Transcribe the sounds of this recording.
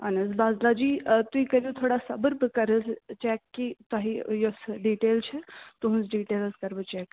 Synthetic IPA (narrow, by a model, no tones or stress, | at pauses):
ɐnəzbaːzlad͡ʒiːt̪uikɐljot̪ʰoːɽasɐbəɾbɨkɐɾəst͡ʃɛːkːit̪aɦijosɖiːʈeːlt͡ʃʰɛt̪uɦũnzɖiːʈeːlskɐɾbɨt͡ʃɛːk